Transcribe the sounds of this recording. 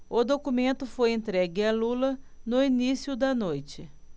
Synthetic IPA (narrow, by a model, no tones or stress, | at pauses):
ʊd̪okumẽnt̪ʊfojẽnt̪ɾɛɡɪɐlulɐ | nʊinisijʊd̪ɐnojt͡ʃɪ